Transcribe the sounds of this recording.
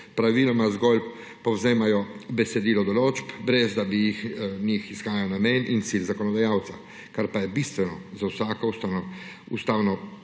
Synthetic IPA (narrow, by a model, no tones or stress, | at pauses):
pɾaʋiːlɔmazɡɔl | pɔwzeːmajɔbɛsɛd̪iːlɔd̪ɔloːd͡ʒpbɾɛzd̪abijixnixisxaːjawnamɛːnʔint̪silzakɔnɔd̪ajaːwt̪sa | kaɾpajɛbiːst̪ʋɛnɔzawsaːkɔust̪anɔ | ust̪aːwnɔ